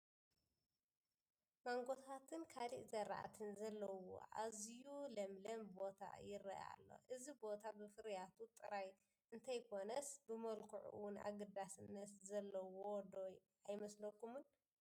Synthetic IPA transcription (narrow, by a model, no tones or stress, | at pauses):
maŋɡo̞t̪ʰat̪ʰɨnkʰaliʔzɐɾa̰ʔa̰t̪ʰɨnzɐlːɐwo̰ʔa̰zjulɐmlɐmbo̞t̪ʰa̰jɪrɐʔa̰lːo̰ʔɨzibo̞t̪ʰabɨfɨɾjat̪ʰut̪ʼɨɾaj | ʔɨnt̪ʰɐjkʰo̞nɐsbɨmɐlkʰuʕṵʔɨwʊna̰ɡɐd̪asɨnːɐt̪zɐlːɐwod̪oj | ajmɐslɐkːumun